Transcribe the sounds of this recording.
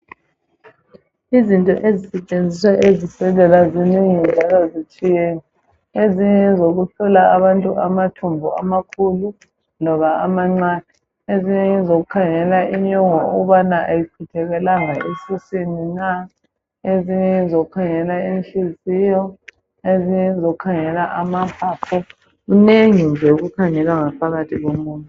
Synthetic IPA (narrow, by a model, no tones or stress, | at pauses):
izintʼɔ̰ʔezisɛt͡ʃʼend͡zʱiswaʔezisɛlɛlaziniŋind͡ʒʱalozit͡ʃʼijeːni | eziɲɛzoɣuɬɔlaaβantʼuʔamatʰumbʱɔamakʰulu | nɔβaamaŋ͡ǀaːnɛ | eziɲɛzoɣukʰaŋɛlaʔiɲɔŋɔṵɣuβanaʔajikʰutʰɛɣɛlaŋaisisinina | eziɲɛzoɣukʰaŋɛlainɬizijɔ | eziɲɛzoɣukʰaŋɛlaʔamapapʰɔ | uneŋind͡ʒʱeuɣukʰaŋɛlaŋapʰaɣatʰiɣomuːntʼu